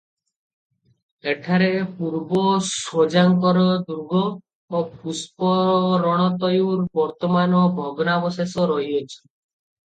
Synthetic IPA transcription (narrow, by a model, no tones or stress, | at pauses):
eʈʰaɾepuɾbɔsod͡ʒaŋkɔɾɔd̪ɾuɡʱɔ | opʰuspɔɾɔɽ̃ɔt̪ɔjuɾbɔɾt̪ɔmanɔbʱɔɡɔnabɔsesɔɾɔɦiɔt͡ʃʰɔ̥